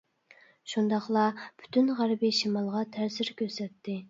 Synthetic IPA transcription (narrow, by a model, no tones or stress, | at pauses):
ʃund̪ɑχlˠɑb̥y̥t̪ʰynʁæɾbiʃimɑlˠʁɑt̪ʰæɾsɪɾkʲøɾsɛt̪ʰːɪ